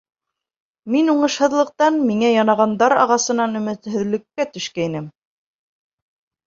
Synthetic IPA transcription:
minuɴɤ̆ʃhɤ̆ðlˠɤ̆q̚t̪ɑnmiŋæjɑnɑʁɑnd̪ɑɾɑ̰ʁɑsɤ̆nɑnɵ̆mɘ̆t̪hɵ̆ðlɘ̆kːæt̪ɵ̆ʃkæinɘm

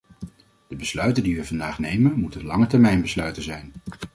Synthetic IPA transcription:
d̥əbəslœɥtəndiʋəvɑndaːχnejmənmutənlɑŋətɛɹmɛjnbəslœɥtəzɛjn

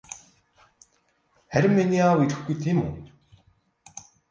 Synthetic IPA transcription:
hæɾʲɪ̆mːiniawiɾɘ̆xɡujt̪ʰiːmṵ

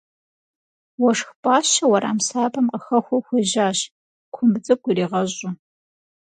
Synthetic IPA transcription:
wɔʂxpʼaːɕɐwɐɾa̰ːmsaːbɐmqəxɐxʷɔxʷɪʑaːɕ | kʷʰʊmbt͡sʼɨkʷʼʊɾiːʁɐʑʼʊ

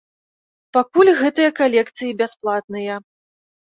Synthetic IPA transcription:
pakulʲɣɛt̪ɨjɐkalʲɛkt̪sɨjibʲasplˠat̪̚nɨjɐ

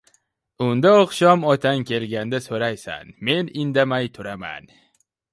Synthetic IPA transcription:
ʊnd̪aɒqʃɒmɒt̪ʰankʲe̞lɡʲand̪asoɾajsa̰nme̞nɪnd̪amajt̪ʰʊɾama̰n

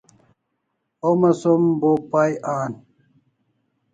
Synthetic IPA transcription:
omɐsombopajʔaːn

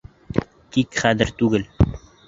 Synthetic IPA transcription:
kikχæðɘ̆ɾt̪ʉɡɘl

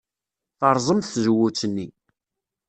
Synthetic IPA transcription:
θɑɾˤzˤəmθθʒwːut͡sːənːi

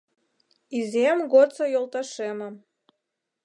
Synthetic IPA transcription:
izʲemɡot͡sɐjolˠt̪aʃeməm

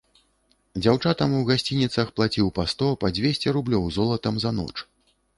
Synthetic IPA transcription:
d͡zʲawt͡ʂat̪ɐmuɣasʲt͡sʲinʲit̪sɐxplˠat͡sʲiwpast̪ɔpɐd͡zʲvʲesʲt͡sʲɛɾublʲɔwzɔlˠɐt̪ɐmzɐnɔ̰t͡ʂ

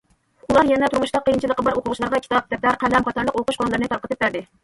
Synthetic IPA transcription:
ulˠɑɾjɛnɛt̪ʰuɾmuʃt̪ɑqʰəjɨnt͡ʃʰilˠəqːəbɑɾoqʰʊʁʊʃlˠɑɾʁɑkʲʰt̪ʰɑp̚ʰʲt̪ʰɛplæɾqʰælæmχɑt̪ʰɑɾlˠəqoqʊʃqʰonɨlˠɨɾnɨt̪ɑɾqʰət̪ɨp̚bæɾd̪ɪ

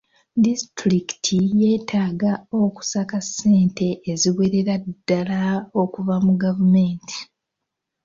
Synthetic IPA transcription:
distɾiki̥tʰije̞ːtaːɡao̞ku̥sakasːe̞ːnte̞ʔːziwe̞ɾe̞ɾadːalao̞kuvamuɡavume̞ːnti̥

